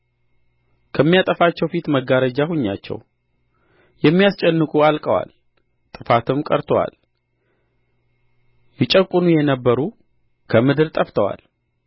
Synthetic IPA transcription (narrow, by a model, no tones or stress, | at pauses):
kʰəmːijat̪ʼəfat͡ʃːɛwfit̪məɡːaɾəd͡ʒahuɲːa̰t͡ʃːɛ̰w | jɛmːijast͡ʃʼɛnːɨkʼualkʼəwa̰l | t̪ʼɨfat̪ʰɨmkʼəɾt̪ʰəwa̰l | jɪt͡ʃʼəkʼːʊnujɛnəbːəɾu | kʰəmɨd̪ɨɾt̪ʼəft̪ʰəwa̰l